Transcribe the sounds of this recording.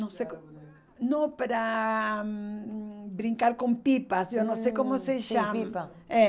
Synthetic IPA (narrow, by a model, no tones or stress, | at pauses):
nõw̃sejko | nõpaɾa | bɾĩŋkaɾkõmpipasewnõw̃sejkomoseʃaim | ɛ